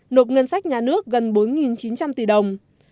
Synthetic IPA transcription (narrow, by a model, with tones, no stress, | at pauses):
no˨˩t̚ŋə˧nsa˦˥jk̚ɲaː˨˩nɨ˦˥ək̚ɣə˨˩nɓo˨˦nŋi˨˩nt͡ɕi˨˦nt͡ɕa˧mt̪i˧˩ɗə˨˩wŋ͡m